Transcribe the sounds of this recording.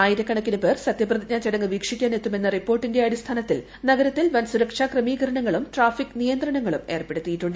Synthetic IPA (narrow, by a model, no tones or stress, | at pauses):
aːjiɾɐkːɐɳɐkːinupeːrsɐt̪jɐprɐðiɲaːt͡ɕiɽɐŋːɨʋiːkʂikʲːaːnet̪ːume̞nːɐripːo̞ːrʈːinde̞ɐɽist̪ʰaːnɐt̪ːil | nɐɡɐɾɐt̪ːilʋɐnsuɾɐkʂakrɐmiːɣɐɾɐɳɐŋːɐɭumʈraːfikːnijɐnd̪ɾɐɳɐŋːɐɭume̞ːrpe̞ɽut̪ːijiʈːuɳɖɨ